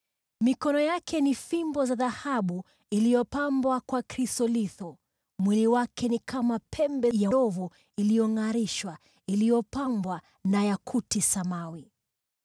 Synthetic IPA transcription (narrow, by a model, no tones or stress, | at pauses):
mikɔnɔjakʰɛnifimbɔzaðahaɓu | ilijɔpambwakwakɾisɔliθɔ | mwiliwakʰɛnikamapʰɛmbɛjaɔvu | ilijɔŋaɾiʃwa | ilijɔpambwa | najakʰutisamawi